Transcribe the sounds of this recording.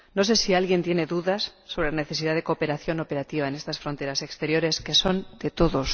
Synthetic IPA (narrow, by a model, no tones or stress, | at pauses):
nos̬e̞sialɣje̞nt̪je̞ne̞ðuðasːo̞β̞ɾelane̞θe̞s̬iðaðe̞kope̞ɾaθjo̞no̞pe̞ɾat̪iβaene̞st̪asfɾo̞nt̪e̞ɾase̞kst̪e̞ɾjo̞ɾe̞ske̞so̞nd̪̥e̞t̪oðos